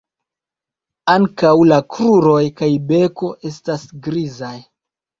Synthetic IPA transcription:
aŋkawlakɾuɾo̞jkajbe̞ko̞ʔe̞stasɡɾizaj

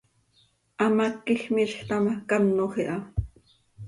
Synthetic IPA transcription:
ʔɑmakːixmiʃxt̪ɑmakɑnːoχiʔɑ

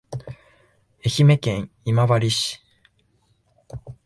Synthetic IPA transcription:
e̞çime̞kẽ̞ɰ̃ | imaβaɾʲiɕi̥

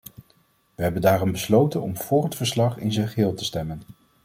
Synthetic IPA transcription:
ʋəɦɛbəndaːrɔmbəslowtənɔmv̥ʊːrɦətfəɹslɑχɪ̰nzənχəɦɪːlˠtə̥stɛmən

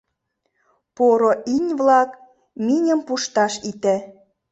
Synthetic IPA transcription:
poɾoʔinʲβlɑk | minʲəmpuʃt̪ɑʃit̪æ

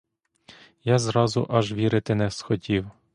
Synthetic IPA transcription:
jɑzɾɑzʊʔɑʒʋʲiɾɪt̪ɪnɛsxɔtʲiw

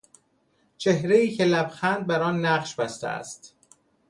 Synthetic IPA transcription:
t͡ʃʰe̞hɾeiːcʰe̞læbxænd̪̚bæɾɒːnːæɢʃbæst̪ʰḛʔæ̰st̪

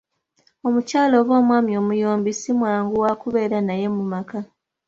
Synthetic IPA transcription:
o̞mucaːlo̞ːβo̞ːmwaːmjo̞ːmujoːmbisimwaːŋɡuwakuβe̞ːɾanaje̞mumaka

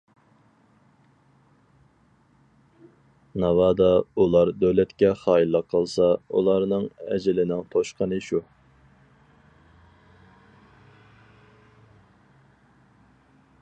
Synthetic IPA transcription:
nɑwɑːd̪ɑulˠɑɾd̪øwlɛt̪kʲɛχɑːilːəqʰːəlˠsɑṵlˠɑɾnɨŋɛd͡ʒɪlɪnɪŋt̪ʰoʃqʰənɨʃu

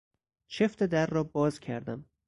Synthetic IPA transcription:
t͡ʃʰeft̪ed̪ærːɒːbɒːzcʲʰæɾd̪æm

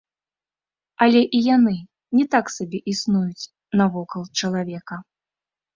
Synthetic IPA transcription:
ɐlʲɛʔijanɨ | nʲɛt̪aksabʲɛʔisnujut͡sʲ | nɐvɔkɐlˠt͡ʂɐlˠavʲɛkɐ

